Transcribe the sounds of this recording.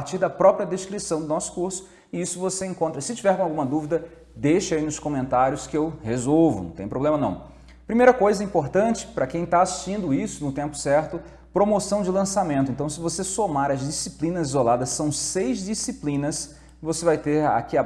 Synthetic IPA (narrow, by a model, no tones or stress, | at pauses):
ɾt͡ʃiɾd̪ɐpɾɔpɾiɐd̪eskɾisɐ̃w̃d̪ʊnɔsʊ̥kuɾsʊ̥ | ɪisʊvoseẽkõnt̪ɾɐsɪt͡ʃivɛɾkõawɡũmɐd̪uvid̪ɐ | d̪eʃainʊskomẽnt̪aɾjʊskɪewhezowvʊñ̰t̪ẽpɾoblẽmɐnɐ̰̃w̃ | pɾimejɾɐkojzɐɛĩpoɾt̪ɐ̃t͡ʃɪ̥pɾɐkẽj̃t̪aːssĩnd̪ʊisʊnʊt̪ẽmpʊ̥sɛɾt̪ʊ | pɾomosɐ̃w̃d͡ʒɪlɐ̃samẽnt̪ʊẽnt̪ɐ̃w̃sɪvosesomaɾɐzd͡ʒisiplĩnɐzizolad̪ɐsːɐ̃w̃sejzd͡ʒisiplĩnɐs | vosevajt̪eɾa̰kia